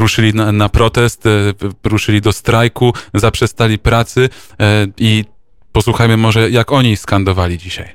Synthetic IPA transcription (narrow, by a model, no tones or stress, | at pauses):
ɾuʂɘlʲinanapɾɔt̪ɛst̪ɾuʂɘlʲid̪ɔst̪ɾajkuzapʂɛst̪alʲipɾat̪sɘ | i | pɔswuxajmɘmɔʐɛjakɔɲiskand̪ɔvalʲid͡ʑiɕaj